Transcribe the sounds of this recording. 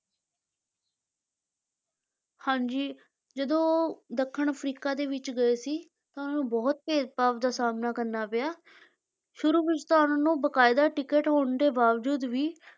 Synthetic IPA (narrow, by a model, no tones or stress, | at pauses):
hãːɲd͡ʒiː | d͡ʒəd̪õːd̪əkʰːəɳpʰɾiːkaːd̪eːʋɪt͡ʃɡəeːsiː | t̪aːʊnaːnũːbɔːt̪̚keːt̪̚paːpd̪aːsaːmnaːkəɾnaːpɪjaː | ʃʊɾuːbɪd͡ʒt̪aːʊnaːnũːbəkaːɪd̪aːʈɪkəʈɦoːɳd̪eːbaːʋd͡ʒuːd̪ʋiː